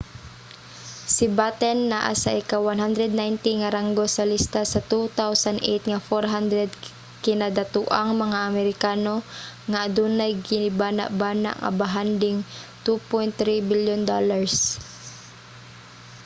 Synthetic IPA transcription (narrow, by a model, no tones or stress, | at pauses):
sɪbat̪ɛnːaʔa̰saʔɪkawwanɦand̪ɾɛd̪najnt̪ɪŋaɾaŋɡosalist̪asat̪ut̪awsand̪ʔḛjt̪ŋafoɾɦand̪ɾɛd̪ | kɪnad̪at̪uʔaŋmɐŋaʔɐmɛɾɪkaːnoŋaʔad̪unajɡɪnɪbaːna̰ʔbaːna̰ʔŋa̰baɦand̪ɪŋt̪upɔjnt̪ːɾibɪljʊnd̪olaɹs